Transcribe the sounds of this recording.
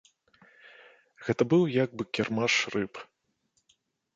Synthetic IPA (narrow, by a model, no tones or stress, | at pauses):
ɣɛt̪ɐbɨwjaɡ̚bɨkʲɛrmaʂrɨp